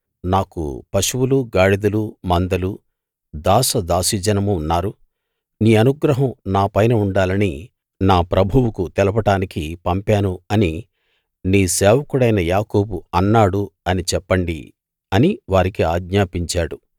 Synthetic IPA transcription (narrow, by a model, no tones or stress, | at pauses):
naːkṵpɐʃuwuluɡaːɽid̪ɐlumɐnd̪ɐlu | d̪aːsɐd̪aːsid͡ʒɐnɐmuːnːaːɾu | niːɐnuɡɾɐɦɐmnaːpɐjnɐuɳɖaːlɐni | naːpɾʔɐbʱuwukut̪ɛlɐp̬ɐʈaːnikipɐmpaːnuɐni | niːsɛːʋɐkuɽɐjnɐjaːkoːbuɐnːaːɽuɐnit͡ʃɛpːɐɳɖḭ | ɐniʋaːɾikiaːɡɲaːpiɲt͡ʃaːɽu